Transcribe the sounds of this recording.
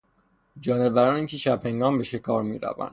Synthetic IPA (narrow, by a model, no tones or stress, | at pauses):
d͡ʒɒːnevæɾɒːnicʰiʃæbheŋɡɒːmbeʃekʰɒːɾmḭːɾæ̰væ̰nd̪